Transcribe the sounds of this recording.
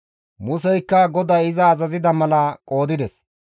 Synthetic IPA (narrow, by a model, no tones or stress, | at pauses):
mʊs̬ɛjkːɐɡɔd̪ɐjɪzɐːzɐzɪd̪ɐmɐlɐkʼo̞ːd̪ɪd̪ɛs